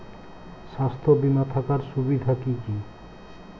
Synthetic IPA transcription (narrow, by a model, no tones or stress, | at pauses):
ʃast̪ʰobimat̪ʰakaɾʃubid̪ʱakiki